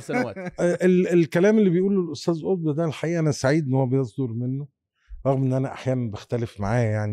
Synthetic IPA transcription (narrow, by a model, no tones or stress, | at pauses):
ʔelelkælæːmelːibejʔuːlelʔost̪æːzʔod̪̚ˤbæd̪ælħaʔiːʔænæsaʕiːd̪enːhowːæbejesˤd̪oɾˤmenːo | ɾˤɑɣmʔenːʔænæʔaħjæːnænbext̪ælefmaʕaːjaʕni